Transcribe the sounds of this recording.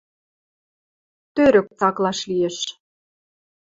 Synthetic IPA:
t̪øɾø̆k̚t͡sɑklɑʃlijeʃ

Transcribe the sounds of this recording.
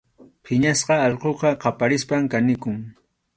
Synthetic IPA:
pʰɪɲasqɑɑʎqoqɑqɑpaɾɪspamkanɪkʊŋ

